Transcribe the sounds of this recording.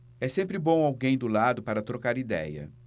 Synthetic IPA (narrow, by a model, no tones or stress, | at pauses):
ɛsẽmpɾɪbõw̃awɡẽj̃d̪ʊlad̪ʊpaɾɐt̪ɾokaɾid̪ɛ̰jɐ̰